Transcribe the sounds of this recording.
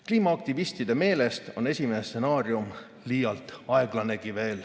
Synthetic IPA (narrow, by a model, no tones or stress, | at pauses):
kliːmɑɑk̚t̪ivist̪id̪̥e̞me̞ːle̞st̪o̞ne̞sʲimenese̞nɑːɾjum | liːjɑlt̪ˑɑe̞ɡ̥lɑne̞ɡ̥ive̞ːl